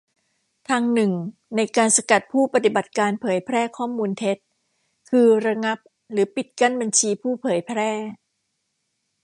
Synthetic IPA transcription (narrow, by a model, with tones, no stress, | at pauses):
t̪ʰaː˧ŋnɯ˨˩ŋna˧jkaː˧nsa˧ka˨˩t̪̚pʰuː˥˩pa˧t̪i˨˩ba˨˩t̪̚kaː˧npʰɤː˩˦jpʰɾɛː˥˩kʰɔː˥˩muː˧nt̪ʰe˦˥t̪̚ | kʰɯː˧ɾa˧ŋa˦˥p̚ | ɾɯː˩˦pi˨˩t̪̚ka˥˩nba˧nt͡ɕʰiː˧pʰuː˥˩pʰɤː˩˦jpʰɾɛː˥˩